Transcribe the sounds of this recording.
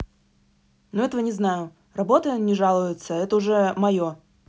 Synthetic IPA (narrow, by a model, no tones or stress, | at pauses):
noɛt̪əvənʲɪznajʊ | rɐbo̞t̪ənʲɪʐalˠʊjʊt̪səɛt̪əʊʐɛmɐjo